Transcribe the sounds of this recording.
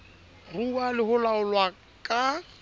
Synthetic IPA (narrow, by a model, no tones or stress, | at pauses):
rualɪɦʊlaʊlwa | kʼa